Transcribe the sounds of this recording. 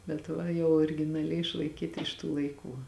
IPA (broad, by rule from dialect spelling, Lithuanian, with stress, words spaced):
bʲɛt ˈʋɐ jɛʊ oːrʲɪɡʲɪnɐˈlʲɛɪ ɪʃlˠɐɪˈkʲiːtɐ ɪʃ tuː lˠɐɪˈkuː